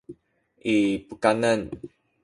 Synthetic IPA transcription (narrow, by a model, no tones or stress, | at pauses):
ʔipukanən